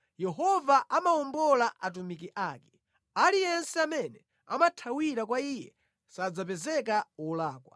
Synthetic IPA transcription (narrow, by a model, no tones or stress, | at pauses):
jɛɦɔvaʔamaɔmbɔlaʔat̬umik̬iʔaːkɛ̥ | alijɛnsɛamɛnɛ | a̰matʰawiɾakwaijɛ̰ | sad͡zapɛzɛk̬aulaːkwa